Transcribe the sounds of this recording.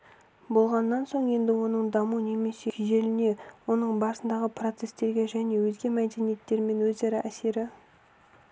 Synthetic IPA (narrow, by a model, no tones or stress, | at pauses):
bo̞lˠʁɑnːɑnso̞ɴje̞nd̪ɪwo̞nəɴd̪ɑmune̞me̞seʒe̞lɪne̞wo̞nəɴbɑɾsənd̪ɑʁəpro̞t̪se̞st̪e̞ɾɡʲe̞ʒæne̞wɵzɡʲe̞mæd̪e̞nije̞t̪ːe̞ɾme̞nwɵzɑɾɑʔæse̞ɾɪ